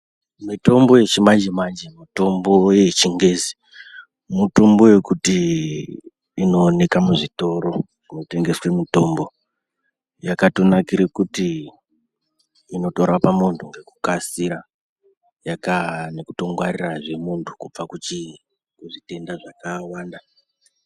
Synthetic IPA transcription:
mito̞mbo̞je̞t͡ʃimand͡ʒemand͡ʒemito̞mbo̞jet͡ʃiŋɡe̞ːzi̥ | muto̞mboje̞kuti | no̞ːne̞kamuʐito̞ɾo̞ | ʐino̞te̞ŋɡe̞swe̞mito̞mbo̞ | jakato̞nakiɾekuti | no̞toɾapamuntʰuŋɡe̞kukasiɾa | jakane̞kuto̞ŋɡwariraʐe̞muntʰu̥kup͡fakut͡ʃi | kuʐite̞ndaʐakawaːnda

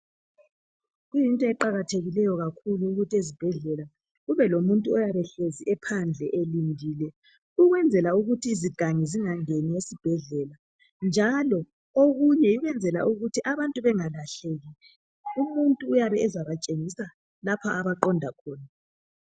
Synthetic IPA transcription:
ɣujintʼɔɛǃaɣatʰeɣilɛjɔɣakʰuluːɣutʰiezib̥ʱɛɮɛla | ɣuβɛlomuntʼuɔjaβɛɬeziʔɛpʰand͡ɮʱɛʔelindʱiːlɛ | uɣwɛnd͡zʱɛlauɣutʰiːziɡ̥ʱaŋiziŋaŋeniesib̥ʱɛɮɛla | nd͡ʒʱalɔ | oɣuɲɛjiɣwɛnd͡zʱɛla̰ʔuɣutʰiʔaβantʼuβɛŋalaɬeɣilɛ | umuntʼuːjaβɛːzaβat͡ʃʼeŋisa | lapʰaːβaǃɔndʱakʰɔːna

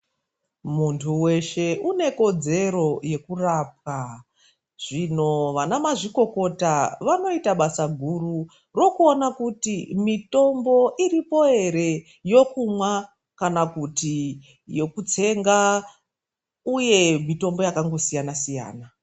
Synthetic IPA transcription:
muntʰuwe̞ʃe̞ʔune̞ko̞d͡ze̞ɾo̞je̞kuraːp̚ka | ʐ̥ino̞ʋanamaʐiko̞ko̞taʋano̞itaɓasaɡʱuru | ro̞kuonakutimito̞mbo̞ʔiripo̞e̞ɾe̞ | jo̞kumwa | kanakuti | jo̞kut͡se̞ŋɡa | uje̞mito̞mbo̞jakaŋɡo̞sijanasija̰ːna

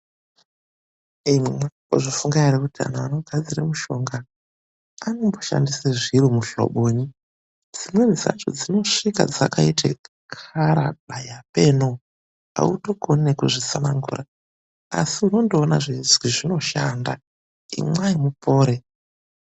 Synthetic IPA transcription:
imwema | o̰ʐifuŋɡaerekutia̰naano̞ɡʱad͡ziramuʃo̞ŋɡaː | no̞mbo̞ʃa̰ndiseʐiɾumuɬo̰ɓoːɲi | d͡zimwe̞iza̰t͡ʃo̰d͡zino̞ʂika̰d͡za̰kaitʰḛ | kʰaɾaɓajape̞ːno | a̰uto̞ko̞nekuʐisanaŋɡṵra | a̰siuno̞ndoːnaʐizwiʐino̞ʃanda | ḭmwaimupo̞ːɾe̞

